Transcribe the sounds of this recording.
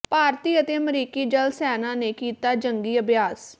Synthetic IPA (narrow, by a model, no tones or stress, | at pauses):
paːɾt̪iːət̪eːəmɾiːkiːd͡ʒəlsɛːnãːneːkiːt̪aːd͡ʒəŋɡiːəbjaːs